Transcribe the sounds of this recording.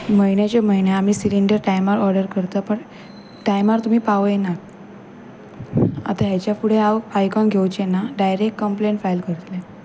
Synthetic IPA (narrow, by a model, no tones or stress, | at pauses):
məinet͡ɕeməjneamiːsiliɳɖəɾʈajmaɾɔɾɖəɾkəɾt̪apəɳ | ʈajmaɾt̪um̤iːpaʋəjnak | a̰t̪aɦjat͡ɕjafuɽ̤eaʋfajkɔ̃nɡʱewt͡ɕenːaɖajɾekʈkəmpleɳʈfajlkəɾt̪le